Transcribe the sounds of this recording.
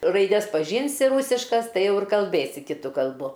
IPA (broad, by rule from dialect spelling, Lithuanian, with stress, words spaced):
rɐɪˈdʲɛs pɐˈʒʲiːnʲsʲɪ ˈruːsʲɪʃkɐs ˈtɐɪ ˈjɛʊ ɪr kɐlʲˈbʲeːsʲɪ kʲɪˈtʊ kɐlˠˈbʊ